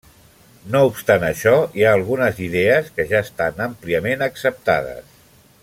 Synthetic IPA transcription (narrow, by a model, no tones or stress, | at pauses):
noupst̪anəʃɔiaːlˠɣunəziðɛəskəʒaəst̪anəmpliəmenəksəp̚t̪a̰ðə̰s